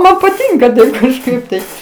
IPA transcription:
ˈmɐn pɐˈtʲɪŋkɐ ˈdɐʊk kɐʃˈkɐɪp tɐɪ

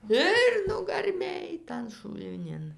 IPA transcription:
ˈɪr nʊɡɐrʲˈmʲeːj tɐn ʃʊlʲˈnʲɪn

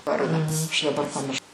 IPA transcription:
ˈʋɐrdɑː ɐʃ dɐˈbɐr pɐˈmʲɪrʃ

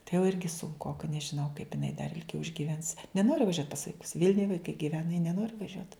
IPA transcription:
tɐɪ jɛʊ ˈɪrʲɡʲɪ sʊŋˈkoːkɐ nʲɛʒʲɪˈnɐʊ kɐɪp ɪˈnɐɪ dɐr ɪlʲˈɡʲɛʊ ɪʒʲɡʲiːˈʋʲɛns nʲɛˈnoːrʲɪ ʋɐˈʒʲuɔt pɐs ʋɐɪˈkʊs ˈʋʲiːlʲnʲʊj ʋɐɪˈkɐɪ ɡʲɪˈʋʲæːnɐ jɪ nʲɛˈnoːrʲɪ ʋɐˈʒʲuɔt

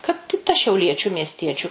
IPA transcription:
kɐt ɪ ˈtɐ ʃʲɛʊˈlʲiɛt͡ʃʲʊ mʲiɛsʲˈtʲiɛt͡ʃʲʊ

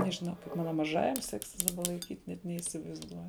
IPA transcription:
nʲɛʒʲɪˈnɐʊ kɐɪp ˈmɑːnɐ mɐˈʒɑːjɛm ˈsʲæːksʲɪs dɐˈbɐ lˠɐɪˈkʲiːtʲ nʲɛt nʲɛiːsʲɪʋɐɪzˈduɔjʊ

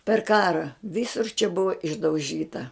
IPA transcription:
pʲɛr ˈkɑːrɐ ˈʋʲiːsʊr t͡ʃʲɛ ˈbʊʋɐ ɪʒdɐʊˈʒʲiːtɐ

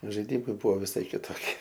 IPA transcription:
ʒɐɪˈdʲɪmɐɪ ˈbʊʋoː ʋʲɪˈsɐɪ kʲɪtoːˈkʲiɛ

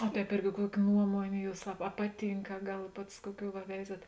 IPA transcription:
oː ˈtʲɛːp ˈɪrʲɡʲɪ ˈkuɔkʲɪ ˈnuɔmoːnʲeː ˈjuːs ɐ ɐ ˈpɑːˌtʲiːŋk ɐ ˈɡɐlˠ ˈpɐts ˈkuɔˌkʲuː ʋɐ ˈʋʲɛɪzɐt

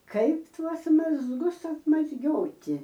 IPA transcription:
ˈkɐɪp ˈtuɔs mɐzˈɡʊs ɐtmɐzʲˈɡʲoːtʲɪ

